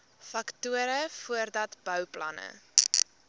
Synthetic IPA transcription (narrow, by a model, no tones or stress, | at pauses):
fɐktuəɾəfuərdɐtb̥œwplɐ̰nə̰